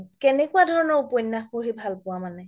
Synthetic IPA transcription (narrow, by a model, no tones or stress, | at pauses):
kɛnɛkuwadʱɔɹɔnɔɹupojnːaxpuɹɦibʱalpʊwamanɛ